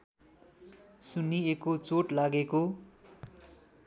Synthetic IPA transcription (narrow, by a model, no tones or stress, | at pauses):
suniekot͡soʈlaɡeko